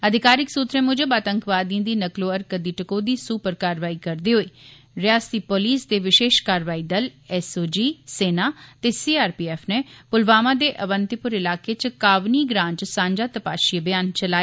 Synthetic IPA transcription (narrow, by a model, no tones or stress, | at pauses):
əd̪ʱɪkaːɾɪksuːt̪ɾẽːmʊd͡ʒəbaːt̪əŋkʋaːd̪iãd̪iːnəkloːəɾkəd̪iːʈəkoːd̪iːsuːpəɾkaːɾʋaːiːkəɾd̪eːɦoiː | ɾɪaːst̪iːpoːliːsd̪eːʋɪʃeːʃkaːɾʋaːiːd̪əlɛːsoːd͡ʒiːseːnaːt̪eːsiːaːɾpiːɛːpʰneːpʊlʋaːmaːd̪eːʔəʋənt̪ɪpʊɾɪlaːkeːt͡ʃkaːʋniːɡɾãːnt͡ʃsãːɲd͡ʒaːt̪əpa̰ːʃibɪjaːnt͡ʃəlaːe